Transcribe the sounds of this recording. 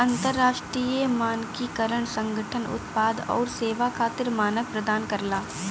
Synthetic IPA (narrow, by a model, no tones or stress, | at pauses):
ɐ̃nt̪əɾːaːʃʈɾiːəmaːnkikɐɾəɽ̃sɐ̃ŋɡʱəʈʰənʊ̰t̪paːd̪ɔ̰ːɾseːʋakʰaːt̪ɪɾmaːnəʋpɾɐd̪aːnkɐɾlaː